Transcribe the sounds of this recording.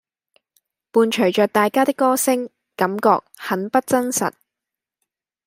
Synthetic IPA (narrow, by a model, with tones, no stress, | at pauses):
puː˨˧nt͡ʃʰɵ˨˩ɥt͡ʃœː˨k̚t̪aː˨jkaː˥t̪ɪ˥kːɔː˥sɪ˥ŋ | kɐ˨˥mkɔ̰ː˧k̚hɐ˨˥npɐ˥t̚t͡sɐ˥nsɐ̰˨˩t̚